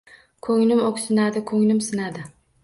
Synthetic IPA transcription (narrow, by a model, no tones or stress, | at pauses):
kʰɵŋnɪmoksɪnad̪ɪkʰɵŋnɪmsɪnad̪ɪ